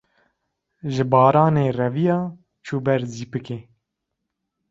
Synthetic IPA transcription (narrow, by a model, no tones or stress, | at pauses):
ʒɨbɑːɾɑːneːrɛvijɑː | t͡ʃʰuːbɛɾziːpɨkeː